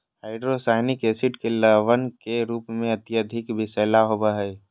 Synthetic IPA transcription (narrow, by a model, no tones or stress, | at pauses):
ɦaːɪɖɾosaːɪnikeːsɪʈkeləʋənkeɾuːpmẽət̪iəd̪ʱɪkbɪseːlaɦobəɦəj